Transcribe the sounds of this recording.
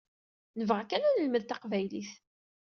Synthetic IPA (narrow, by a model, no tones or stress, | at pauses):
nəvʁækːænænəlməðt̪ɑqvæjliθ